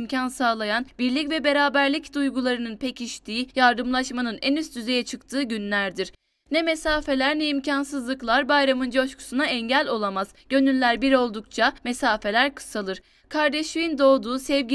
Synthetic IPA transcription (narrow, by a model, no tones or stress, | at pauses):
mcʰansaːlˠajanbiɾlʲicvɛbe̞ɾaːbæɾlʲicd̪ujɡulˠaɾɯnɯnpʰecʰiʃt̪ʰiːjaɾd̪ɯmlˠaʃmanɯnɛnyst̪ʰyze̞jɛt͡ʃʰɯkt̪ʰɯːɟynlʲæɾd̪iɾ̥ | nɛmesaːfe̞lʲæɾnɛimcʰansɯzlˠɯklˠaɾbajɾamɯnd͡ʒo̞ʃkʰu̥sunaɛɲɟælʲo̞lˠamaz̥ɟ̥ø̞nylːʲæɾbiɾo̞lˠd̪uk̚t͡ʃʰamesaːfe̞lʲæɾkʰɯ̥salˠɯɾ̥ | kʰaɾd̪eʃivind̪o̞ːd̪uːsɛvɟi